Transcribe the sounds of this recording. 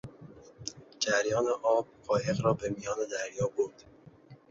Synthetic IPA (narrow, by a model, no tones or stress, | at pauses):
d͡ʒæɾjɒːneʔɒːb̚ɢɒːje̞ɣɾɒːbe̞mijɒːne̞d̪æɾjɒːboɾd̪̥